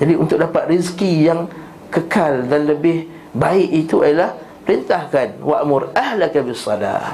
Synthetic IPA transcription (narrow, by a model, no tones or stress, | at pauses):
d͡ʒadiunt̪ʊk̚dapat̪̚riskijaŋ | kəkaldanləbɪh | baɪʔit̪uajalah | pəɾint̪ahkanwaʔmʊɾahlakabisːɑla̰